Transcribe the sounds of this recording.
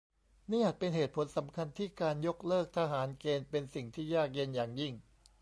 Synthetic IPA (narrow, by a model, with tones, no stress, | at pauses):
niː˥˩˨ʔaː˨˩pe˧nɦeː˨˩t̪̚pʰo˩˦nsa˩˦mkʰa˧nt̪ʰiː˥˩kaː˧njo˦˥k̚lɤː˥˩k̚t̪ʰa˧ɦaː˩˦nkeː˧npe˧nsi˨˩ŋt̪ʰiː˥˩jaː˥˩k̚je˧˥˩njaː˨˩ŋji˥˩ŋ